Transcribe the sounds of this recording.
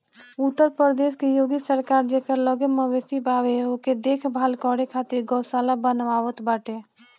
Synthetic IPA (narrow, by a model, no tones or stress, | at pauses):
ʊt̪ːəɾpəɾd̪eːʃkejoːɡisəɾkaːɾd͡ʒekəɾləɡeməʋesibaːʋeɦoked̪eːkʰbʱaːlkɔːɽekʰaːt̪ɪɾɡɔːsaːlabənʋaːʋət̪baːʈe